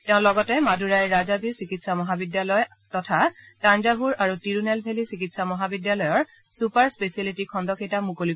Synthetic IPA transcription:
tɛ̃ʊ̃lɔɡɔtɛmadʱuɹajɹazazisikitsamɔɦabidjalɔj | tɔtʰatanzaɦuɹaɹutiɹunɛlbʱelisikitsamɔɦabidjalɔjɔɹ | supaɹspesalitikʰɔndɔkejtamukoli

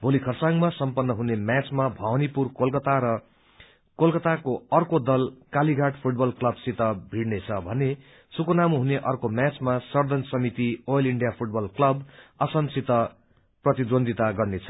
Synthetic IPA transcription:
bʱolikʰʌrsaŋmasʌmpʌnːʌɦunemjat͡smabʱʌwnipurkolkʌt̪aɾʌ | kolkʌt̪akoʌrkod̪ʌlkaliɡʱaʈpʰuʈ̚bʌlklʌbsit̪ʌbʱiɽnet͡sʰʌbʱʌne | sukonamuɦuneʔʌrkomjat͡smasʌrd̪ʱʌnsʌmit̪iojʌliɳɖijapʰuʈ̚bʌlklʌbʌsʌmsit̪ʌ | prʌt̪id̪wond̪ʱit̪aɡʌrnet͡sʰʌ̥

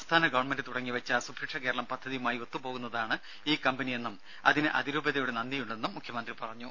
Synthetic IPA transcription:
st̪ʰaːnɐɡɐʋɐɳmenɖɨt̪uɽɐŋːiʋɐt͡ɕːasubʱikʂɐke̞ːɾɐɭɐmpɐd̪ʱːɐðijumaːjio̞t̪ːupo̞ːɣunːɐðaːɳɨ | iːkɐmbɐnije̞nːum | ɐ̰ðinɨʔɐ̰ðiɾuːbɐðɐjuɽenɐnd̪ijuɳɖe̞nːumːukʰjɐmɐnd̪ripɐrɐɲːu

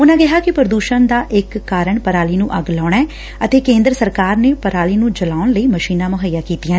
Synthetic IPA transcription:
ʊnãːɡɪɦaːkɪpəɾd̪uːʃənd̪aːʔɪkːaːɾəɳpəɾaːliːnũːʔəɡlaːɳɛː | ət̪eːkẽːnd̪ɾəsəɾkaːɾneːpəɾaːliːnũːd͡ʒəlaːʊɳləiːməʃiːnãːmʊɦəjːãːkiːt̪ijãː

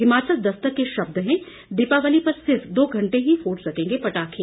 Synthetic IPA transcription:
ɦɪmaːt͡ʃəld̪ɐst̪əkːeʃɐb̚d̪ɦɛ̃ | d̪iːpaʋəlipɐɾsɪɾfd̪oːɡʱɐ̃ɳʈeɦifoːʈɾɐkʰẽːŋɡepɐʈaːkʰeː

